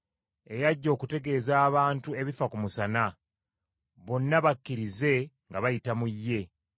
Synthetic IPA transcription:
e̞jaɟːo̞ːkute̞ɡe̞ːzaːβaːntue̞βifakumusana | βo̞nːaβakːiɾize̞ŋɡaβajitamujːe̞

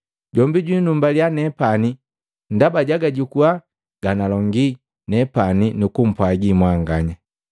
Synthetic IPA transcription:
ɟɔmbiɟwinumbaljanɛpani | ndabaɟaɡaɟukua | ɡ̥analɔŋɡi | nɛpaninukum̩pwaɡimwaŋɡaɲa

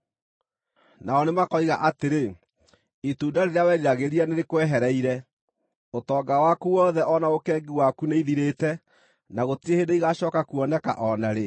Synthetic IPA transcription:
naɔnemakɔiɣaʔateɾe | ituːdaɾeɾeawɛːɾiɾaɣeɾianeɾekwɛɦɛɾɛiɾɛ | otɔːɡawakuwɔðɛʔɔnaokɛːɡiwakuneiðiɾeːtɛ | naɣotiehendeiɣaɕɔːkakuɔnɛka̰ʔɔnaɾe

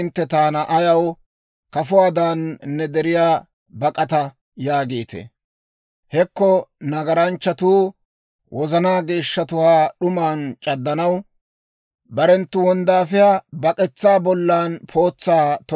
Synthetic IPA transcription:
ɪnt̪ːɛt̪aːnɐʔɐjɐw | kɐfʊwaːd̪aːnːɛd̪ɛɾɪjaː | bɐkʼɐt̪ɐ | jaːɡeːt̪ɛ̰ | hɛkːɔnɐɡɐɾɐnt͡ʃːɐt̪uː | wʔɔzɐnaːɡeːʃːɐt̪ʊwaːɗʊmaːnt͡ʃʼɐd̪ːɐnɐw | bɐɾɛnt̪ːʊwɔnd̪aːfɪjabɐkʼɛt͡sːaːbɔlːaːnpʰo̞ːt͡sːaːt̪ɔ

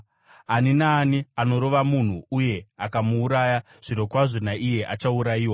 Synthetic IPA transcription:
aninaːniano̞ɾo̞ʋamun̤uuje̞akamuːɾaːja | ʐ̥iɾo̞kwaʐonaʔije̞ʔa̰t͡ʃauɾajiːwa

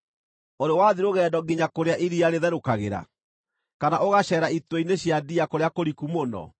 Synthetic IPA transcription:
oɾewaðiɾoɣɛːdɔɡiɲakoɾeaʔiɾiaɾeðɛɾokaɣḛɾa̰ | kanaʔoɣaɕɛːɾaitweineɕjadiakoɾeakoɾikumonɔ̰

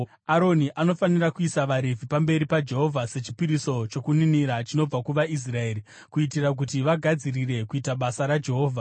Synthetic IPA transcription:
aɾo̞niʔano̞fanirakuisaʋaɾevʱipambe̞ɾipad͡ʒe̞ɦo̞vʱase̞t͡ʃi̥piɾiso̞t͡ʃo̞kuniniɾat͡ʃino̞b͡vakuʋais̬rae̞ːɾi | kuitirak̬utiʋaɡʱad͡zirire̞kuitaɓasaɾad͡ʒe̞ɦo̞ːvʱa

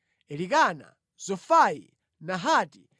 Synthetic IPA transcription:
ɛlikana̰ | zɔfaḭ | naɦaːti

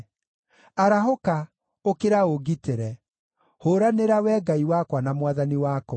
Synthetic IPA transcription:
aɾaɦoka | okeɾaoɡiteɾɛ | hoːɾaneɾawɛːɡaiwakwanamwaðaniwaːkɔ

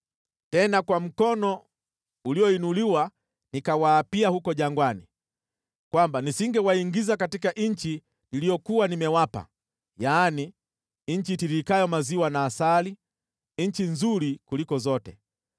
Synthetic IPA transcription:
tɛnakwam̩kɔnɔ | uliɔinuliwa | nikawaːpiahukɔʄaŋɡwani | kwambanisiŋɡɛwaiŋɡizakatikaʔɲɲ̩t͡ʃi | nilijɔkuwanimɛwapa̰ | jaːni | ɲ̩t͡ʃitiɾikajɔmaziwanaːsali | ɲ̩t͡ʃinzuɾikulikɔzɔtɛ

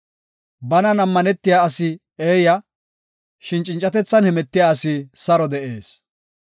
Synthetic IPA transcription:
bɐnɐnɐmːɐnɛt̪ːɪjaːsɪ | eːjɐ | ʃɪnt͡ʃʼɪnt͡ʃʼːɐt̪ɛt͡sːɐnhɛmɛt̪ːɪjaːsɪsɐɾɔd̪ɛʔeːs

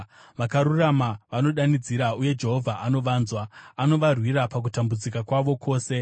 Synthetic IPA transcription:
ʋakaɾuramaʋano̞ɗanid͡ziɾauje̞d͡ʒe̞ɦo̞vʱaʔano̞ʋaːnzwaano̞ʋarwiɾapak̬utambud͡zikakwaʋo̞kʰo̞ːse̞

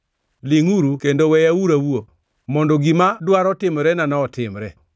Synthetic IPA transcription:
lɪŋuɾukendowɛjauɾawuo | mɔndɔɡimadwaɾɔtɪmɾɛnanaɔtɪmɾɛ

